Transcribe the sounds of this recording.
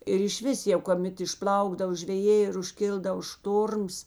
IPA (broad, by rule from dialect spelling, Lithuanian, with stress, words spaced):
ɪr ɪʃʲˈʋʲɪs jɛʊ koːˈmʲɛt ɪʃˈplˠɐʊɡdɐw ʒʲʋʲɛˈjeː ɪr ʊʃʲˈkʲɪlˠdɐʋoː ˈʃtoːrms